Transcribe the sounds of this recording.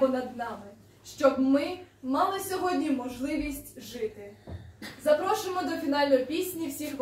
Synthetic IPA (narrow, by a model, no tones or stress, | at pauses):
ɔnɐd̪nɑmɪ | ʃt͡ʃɔbmɪmɑlˠɪsʲɔɦɔdʲnʲimɔʒlˠɪʋʲisʲtʲʒɪt̪ɪ | zɐpɾɔʃʊɪmɔd̪ɔfʲinɑlʲnɔjpʲisʲnʲiwsʲixʋ